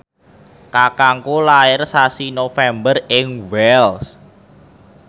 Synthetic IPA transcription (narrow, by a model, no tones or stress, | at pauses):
kakaŋkolaɪrsasinofɛmbərɪŋwɛls